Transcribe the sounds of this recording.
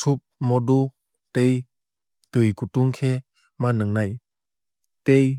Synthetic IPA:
sʰup̚mɔdu | tej | tɯjkutuŋkʰe | manɯŋnaj | tej

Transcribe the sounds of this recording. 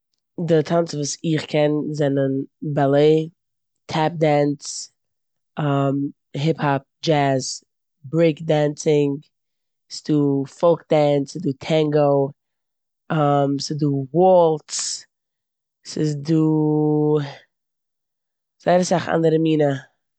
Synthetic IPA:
dɪtʰansvuːsɪχkʰɛnzɛnənbalˠeɪ | tʰɛp̚dɛns | am | ɦɪphap̚d͡ʒæz | bɾeɪkdaːnsɪŋ | sduːfolˠk̚d̥ansduːtʰɛŋɡoʊ | amsɪduːwɔlˠts | sɪzduː | z̥aɪɾəsaχa̰ndəɾəmiːnə

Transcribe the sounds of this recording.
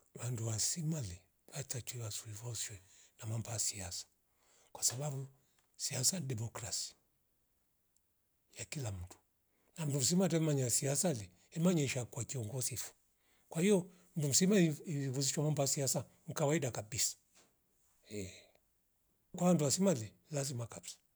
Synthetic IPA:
wanduwasimali | watat͡ʃiwasuivɔswɛnamambaasiasḁ | kwasababu | siasadɛmɔkɾasi̥ | jakilam̩tu̥ | nam̩dum̩s̬imatamaɲasiasali | ɛmaɲɛʃakwakiɔŋɡɔsifu̥ | kwahijɔ | m̩dum̩simaiivuziʃwamambaasiasa | ŋ̩kawaidakabisḁ | ɛ | kwawanduwasimalɛ | lazimakabsḁ

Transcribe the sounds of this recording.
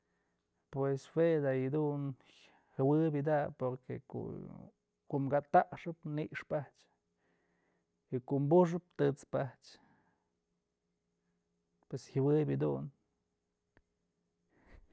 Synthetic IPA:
pweswed̪ajid̪un | hɨwɨbjɨd̪apoɾkeko̰ | kuʔmɡat̪aʔʂɨpniʔʂpaht͡ʃ | ikuʔmbuʂ̬ɨp̚t̪ɨt͡spaht͡ʃ | pweshɨwɨbjɨd̪un

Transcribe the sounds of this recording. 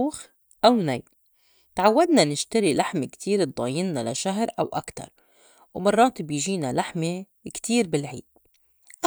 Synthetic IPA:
uːx | ʔawnajl | t̪ʕawːad̪nanɪʃt̪aɾilaħmekt̪ʰiːɾ̚d̪ˤɑːjɪnːala̰ʃaɦɾʔawʔa̰kt̪ɑ̰ɾˤ | wmɑrˤːɑːt̪bɪjʒiːnalaħme | kt̪iːɾbɪlʕḭːd̪̥̚ | ʔ

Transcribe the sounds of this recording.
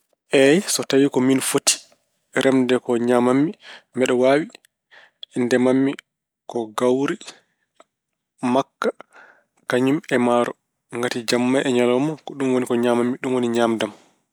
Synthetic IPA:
ʔɛjsɔtawikɔminfoti̥ | ɾʔɛmdɛkɔɲamamːimɛɗɔwaːwi | ndɛmamːi | kɔɡawɾi | makːa | kaɲumɛmaːɾɔ | ŋɡatid͡ʒamːajʔɛɲalɔmɔkɔɗumwonikɔɲamamːiɗumwoniɲaːmdam

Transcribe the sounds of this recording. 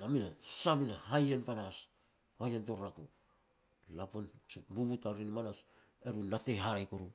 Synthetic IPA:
naminasabinahajenpanas | hajentoɾɾaku | lapont͡ʃobubutaɾinmanas | eɾunate̞jɦaɾajkoɾu

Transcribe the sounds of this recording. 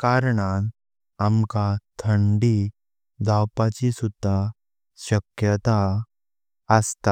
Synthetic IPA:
kaːɾɽ̃an | amkat̪ʰəɳɖi | d̪ʱawpat͡ɕisud̪ʱːa | ɕɐkjət̪a | əst̪a

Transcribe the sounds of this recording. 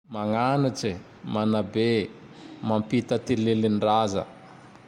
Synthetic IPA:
maŋaniʈ͡ʂi | manabe | mampit̪ət̪ilelinrazə̰

